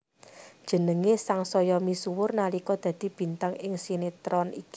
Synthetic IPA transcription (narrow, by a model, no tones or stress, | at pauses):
d̥ʒ̥ə̤nəŋesaŋsɔjɔmisuwʊrnalikɔd̪̥ä̤d̪̥i̤b̥i̤nt̪aŋɪŋsinet̪ɾɔniki